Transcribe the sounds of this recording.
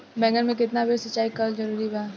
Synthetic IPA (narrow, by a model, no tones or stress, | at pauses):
bɛ̃ːŋɡənmẽk̬ɪt̪nabʱesɐt͡ʃːaːikɐlzɐɾuːɾibaː